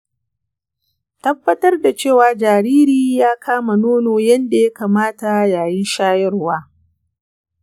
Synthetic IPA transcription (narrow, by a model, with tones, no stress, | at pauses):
tɐ˦bːɐ˦tɐ˦rda˨t͡ʃeː˦˨waː˨d͡ʒaː˨ɾiː˦ɾiː˦jaː˦kʰaː˦ma˨noː˦noː˨jɐ˦nda˨jɐ˦kaː˨maː˦ta˨jaː˨jɪ˦nʃaː˦jɐ˦rwaː˦